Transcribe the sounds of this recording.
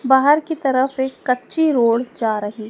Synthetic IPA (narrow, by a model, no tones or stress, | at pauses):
baːɦəɾkit̪ɐɾəfekːɐtːʃiɾoːɽd͡ʒaːɾɐɦi